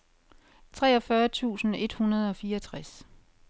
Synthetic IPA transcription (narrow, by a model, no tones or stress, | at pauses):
t͡sʰʁɛːɒ̽fɶːɐt͡sʰṵːsn̩e̝d̥hunɐð̞̩ˠɒ̽fiːɐt͡sʰʁas